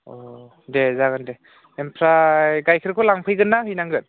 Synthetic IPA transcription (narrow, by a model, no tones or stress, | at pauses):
ɔ | dezaɡɯnde | empʰɾaɡajkʰɯɾkʰɯlaŋpʰɯjɡɯnːaɦɯjnaŋɡɯt̚